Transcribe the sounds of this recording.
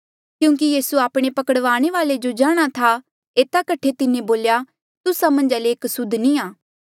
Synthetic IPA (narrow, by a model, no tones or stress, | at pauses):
kjũːkijiːsuaːpɽ̃epɐkəɽʋaːɽ̃eʋaːled͡ʒod͡ʒaːɽ̃at̪ʰa | eːt̪akɐʈʰet̪ɪnẽboːlja | t̪ʊsamɐ̃nd͡ʒaleːksʊd̪nĩaː